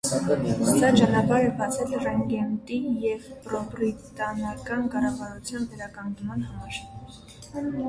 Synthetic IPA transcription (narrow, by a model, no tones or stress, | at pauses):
sɑt͡ʃɑnɑpɑɾɛbɑt͡sʰɛlrɑŋɡɛnt̪ijɛvpɾɔprit̪ɑnɑkɑnkɑrɑvɑɾut͡sʰjɑnvɛɾɑkɑŋɡnmɑnhɑmɑɾ